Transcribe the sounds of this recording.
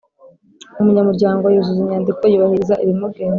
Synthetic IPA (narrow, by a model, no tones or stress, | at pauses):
umuɲamuɾɟaːŋɡoajuzuziɲaːndikojuβahiizaʔiɾimuɡeːn